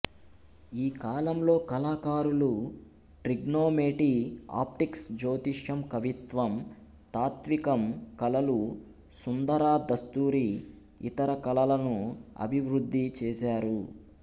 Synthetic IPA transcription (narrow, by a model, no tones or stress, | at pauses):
iːkaːlɐmlo̞ːkɐlaːkaːɾulu | ʈɾiɡnoːmeːʈia̰ːp̚ʈiksd͡ʒoːt̪iʂjɐmkɐʋit̪ʋɐm | t̪aːt̪ʋikɐmkɐlɐlu | sund̪ɐɾaːd̪ɐst̪uːɾi | ḭt̪ɐɾɐkɐlɐlɐnuɐ̰bʱiʋɾud̪ːit͡ʃɛːsaːɾu